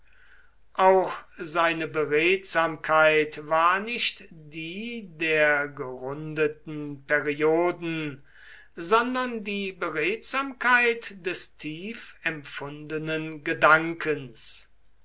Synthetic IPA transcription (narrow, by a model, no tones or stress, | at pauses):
ʔaʊxzaɪnəbəʁeːtz̥aːmkʰaɪtvaːɐnɪʃtdiːdeːɐɡəʁʊndətn̩pɛʁioːdn̩ | zɔndɐndiːbəʁeːtz̥aːmkʰaɪtd̥ɛstʰiːfɛmfʊndənənɡədaŋkʰəns